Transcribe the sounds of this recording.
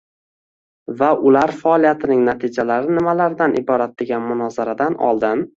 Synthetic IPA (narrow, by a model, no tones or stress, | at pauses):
vaʔʊlaɾfaɒlˠijat̪ʰɪnɪŋnat̪ʰɪd͡ʒalaɾɪnɪmalaɾɪd̪anʔɪ̰bɒɾat̪̚d̪e̞ɡʲanmʊnɒzaɾad̪anɒ̰lˠd̪ɪn